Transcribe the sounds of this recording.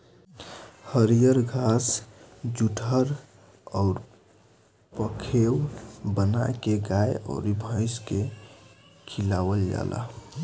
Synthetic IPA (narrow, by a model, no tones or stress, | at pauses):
həɾijəɾɡʱasd͡ʒuʈʰəɾ | ɔʊɾ | pəkʰewbənajkeɡajɔ̰ʊɾibʱə̃ɪ̃ske | kʰilawəld͡ʒa̰lʔa̰